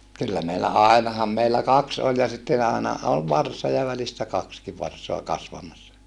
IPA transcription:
kylːæ meilːæ ɑˑinɑhɑm meilːæ kɑks olʲ jɑ sitːen ɑˑenɑ ol ʋɑrsɑ jɑ ʋælistæ kɑkski ʋɑrsoɑ kɑsʋɑmɑsːɑ

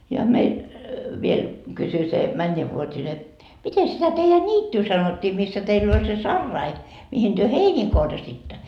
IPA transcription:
jɑ meil ʋiel kysy se mænʲːeʋːuotʲine mite sitæ teijæ nʲiːtːyː sɑnotːiː misːæ teilː olʲ se sɑrːɑi mihin tyø heiniː korjɑsitːɑ

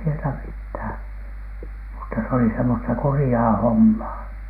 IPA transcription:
sieltæ mithæˑn mutːɑ se oli semːostɑ kurĭjɑː homːɑː

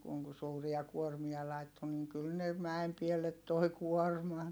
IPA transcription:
kuŋ ku suːriɑ kuormiɑ lɑitːo niŋ kyl ne mæem pielːet toi kuormɑn

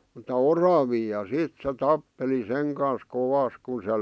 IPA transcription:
m̆utɑ orɑʋiː jɑ siˑt se tɑpːeli seŋ kɑn̞s koʋɑs kun se

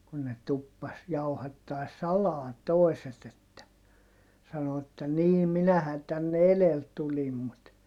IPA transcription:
kun ne tupːɑs jɑuhɑtːɑi̯s sɑlɑː toeset etːæ sɑno etːæ niː minæhæn tænːe elel tulim mut

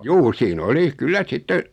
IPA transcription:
juː siːn oli kylːæ sitːe

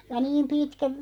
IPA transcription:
jɑ niːm pitkæ

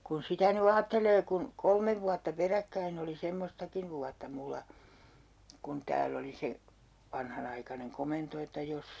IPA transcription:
kun sitæ ny ɑːtːeleː kun kolmeʋ ʋuɑtːɑ perækːæin oli semːostɑkiʋ ʋuɑtːɑ mulːɑ kun tæːl oli se ʋɑnhɑnɑikɑneŋ komento etːæ jos

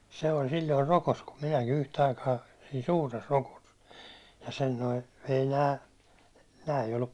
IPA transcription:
se olʲ silːoir rokos kum minæki yhtæ̆ ɑikɑː siː suːres rokos jɑ sen noi ei næː næː ei olːup

